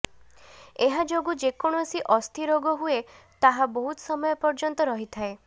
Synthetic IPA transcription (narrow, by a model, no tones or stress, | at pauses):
eɦad͡ʒoɡud͡ʒekɔɽ̃ɔsiʔɔst̪ʰiɾoɡɔɦue | t̪aɦabɔɦut̪sɔmɔjɔpɔɾd͡ʒɔnt̪ɔɾɔɦit̪ʰae